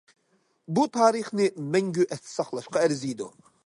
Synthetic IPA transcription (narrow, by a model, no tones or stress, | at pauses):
but̪ʰaːɾiχnɪmɛŋɡʲyʔɛt̪sɑχlˠɑʃqɑɛɾzijd̪u